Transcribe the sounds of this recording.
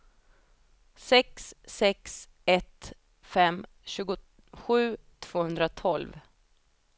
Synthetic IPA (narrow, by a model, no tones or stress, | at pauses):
sɛksːɛks | ɛt̪ | fɛm | ɕʉ̟ːɡʊ | ɧʉ̟ːt̪ʰv̥oːhɵnd̪ɾat̪ʰɔlv